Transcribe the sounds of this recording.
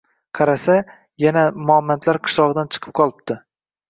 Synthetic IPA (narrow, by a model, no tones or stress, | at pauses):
qʰɑɾasa | janamʊamːant̪ʰlaɾqʰɨ̥ʃlˠɒʁɨd̪ant͡ʃʰɨ̥qʰɨ̥p̚qʰɒlˠɪb̚t̪ɪ